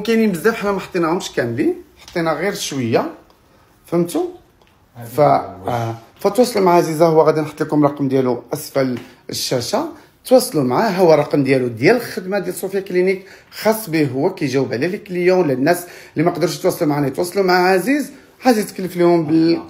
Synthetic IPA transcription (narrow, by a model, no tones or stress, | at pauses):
kænjbəzːæfħanæmæħət̪ˤːinahʊmʃkæmliħɑ̥t̪ˤːinaɣiɾʃwəjːa | fəmt̪u | fæ | fæt̪wɑsˤlumaʕʕazizahʊwːæɣæd̪inħə̥t̪ːˤlikʊmɾˤɑqmd̪jæluʔæsfæl | əʃːæʃa | t̪wɑsˤlumaʕaɦʊwːæɾˤɑqmd̪jælud̪jæləlxəd̪mad̪jæləsˤufjaklinikxɑsˤːbiɦʊwːækæʒæwblæləkljulænːæs | lːimæqd̪əɾʃt̪wɑsˤlumʕanæt̪wɑsˤlumʕaʕaziz | ʕazizkəlːəflihʊmbəl